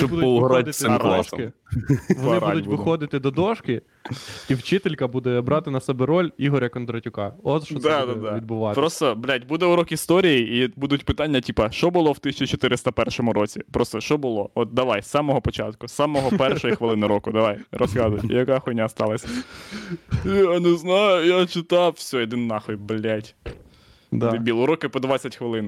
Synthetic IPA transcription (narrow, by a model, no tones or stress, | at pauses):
ʃt͡ʃɔbpɔlˠɦɔɾasmlˠaʃɐ̰ɪ | ʋɔnɐɪbɾd̪ʊtʲʋɪxɔd̪ɪt̪ɪd̪ɔd̪ɔʃkɪ | iwt͡ʃɪt̪elʲkɐbud̪ɛbɾɑt̪ɪnɐsɛbɛɾɔlʲiɦɔɾʲɐkɔnd̪ɾɐtʲʊkɑɔʃɔd̪ad̪ad̪aʋʲid̪̚bʊʋɑpɾɔst̪ɔblʲatʲbud̪ɛuɾɔkist̪ɔɾʲijiibud̪ʊtʲpɪt̪ɑnʲːɐtʲipɐʃt͡ʃɔbʊlˠɔwt̪ɪsʲt͡ʃit͡ʃɔt̪ɪɾɪst̪ɐpɛrʃɔmʊɾɔt͡sʲipɾʔɔst̪ɔʃt͡ʃɔbʊlˠɔɔt̪̚d̪ɐʋajsːɑmɔɦɔpɔt͡ʃɑ̰t̪kʊsɑmɔɦɔpɛrʃɔjixʋɪlˠɪnɪɾɔkʊd̪ɐʋajrɔzɣɑd̪ʊjt̪jɐkaxɔnʲast̪ɑlˠɐsʲɐ | aneznɑjʊjat͡ʃɪt̪ɑwsʲɔjɔd̪ɪnːɑxɔjblʲatʲ | d̪bʲilˠʊɾɔkɪpɔd̪ʋat͡sʲɐtʲxʋɪlˠɪn